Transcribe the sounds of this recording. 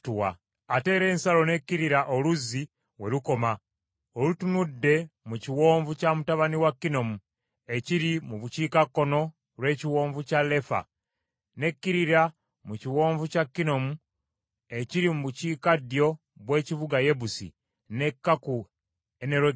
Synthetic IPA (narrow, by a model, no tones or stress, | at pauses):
tuwa̰ | ate̞ːɾe̞ːnsalo̞ne̞kːiɾiɾaʔoluzːi | we̞luko̞ma | olutunudːe̞muciwo̞ːɱvucamutaβaniwakːino̞mu | e̞ciɾimuβuciːkakːo̞no̞ | lwe̞ːciwo̞ːɱvucale̞fa̰ | ne̞kːiɾiɾa | muciwo̞ːɱvucakːino̞mu | e̞ciɾimuβuciːkadjo̞ | βwe̞ːciβuɡaje̞βusḭ | ne̞kːaku | eneɾo